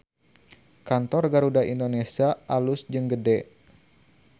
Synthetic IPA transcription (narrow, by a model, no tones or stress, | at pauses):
kant̪ɔrɡaɾudaʔindonesiaʔalusd͡ʒəŋɡədɛ